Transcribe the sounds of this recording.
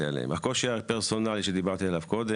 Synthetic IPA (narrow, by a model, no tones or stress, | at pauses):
ia̰lḛmakoʃiapeʁso̞naliʃed̪ibaʁt̪ialavko̞d̪e